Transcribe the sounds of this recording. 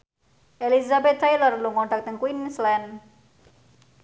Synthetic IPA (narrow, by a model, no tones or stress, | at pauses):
ʔelizabɛt̪̚ːajlɔrluŋɔɳɖak̚t̪əŋkwinslɛn